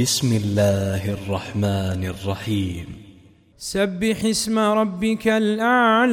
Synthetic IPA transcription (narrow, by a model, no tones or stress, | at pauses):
ɪsmɪlːaːhʔɑrˤːɑħmaːnɑrˤːɑħiːm | sabːɪħɪsmaɾˤɑbːɪkalʔal